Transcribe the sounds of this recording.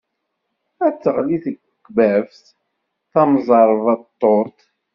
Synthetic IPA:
æt͡sːəʁliθəɡ | bævθ | θɑmzˤɑɾˤvɑt̪ˤːoɾt̪

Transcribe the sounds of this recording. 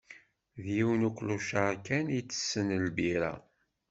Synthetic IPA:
ðjiwənukʷːluʃəɾkænit͡sːə̥sːənəlbiɾa̰

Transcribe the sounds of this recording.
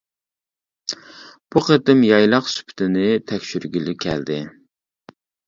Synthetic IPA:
b̥uqət̪ɪmjɑjlˠɑqsy̥pʰɪ̥t̪ʰɪnɪt̪ʰɛkʲʃyɾɡʲilɪkʲʰɛ̰ld̪ɪ

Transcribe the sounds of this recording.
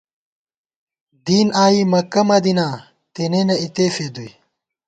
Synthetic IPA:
d̪iːnaːimɐkɐmɐd̪inaː | t̪enenɐit̪eːfeːd̪uj

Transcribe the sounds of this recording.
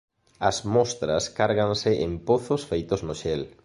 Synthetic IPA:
ɐzmɔst̪ɾɐskaɾɣaŋsɪʔempoθʊsfejt̪oznʊʃɛl

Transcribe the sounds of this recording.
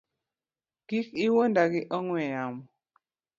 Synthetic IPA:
kikiwondaɡɪʔɔŋwɛjamɔ

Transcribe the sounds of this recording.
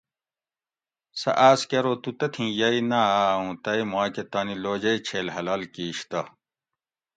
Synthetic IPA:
sɐ̰ʔaːskeɾoːt̪ut̪ɐt̪ʰĩːjɐinaaːũːt̪ɐimwaːket̪aːniloːd͡ʑɐjt͡ɕʰeːlɦɐlaːlkiːɕt̪ɐ

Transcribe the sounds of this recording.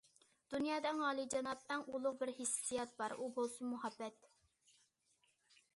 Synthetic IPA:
d̪̥unjɑːd̪ɛŋɑːlˠid͡ʒɑnɑp̚æŋulˠʊqbɪɾhɪsijɑt̪̚bɑɾʔubolˠsʊmuhɑbːɛt̪

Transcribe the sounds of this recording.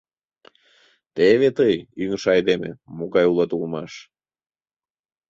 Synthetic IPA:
t̪eβet̪əjyŋʃɑjd̪emḛmoɣɑjulˠɑt̪ulˠmɑʃ

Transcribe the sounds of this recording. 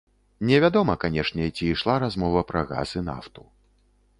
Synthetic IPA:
nʲɛvʲad̪ɔmɐkanʲɛʂnʲɛt͡sʲiːʂlˠaɾazmɔvɐpɾɐɣa̰zɨna̰ft̪u̥

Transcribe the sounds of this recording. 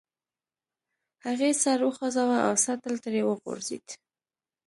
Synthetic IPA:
haɣesaɾwəxɑzawaʔa̰wsat̪əlt̪əɾewəɣo̰ɾzḭd̪

